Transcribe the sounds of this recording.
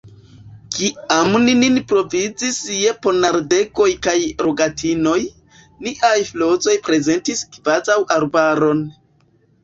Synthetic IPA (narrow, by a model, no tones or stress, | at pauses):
kiamnininpɾo̞vid͡zisjepo̞naɾde̞ko̞jkajɾo̞ɡatʰino̞j | niʔajflo̞zo̞jpɾe̞ze̞ntiskvazawʔaɾbaɾo̞n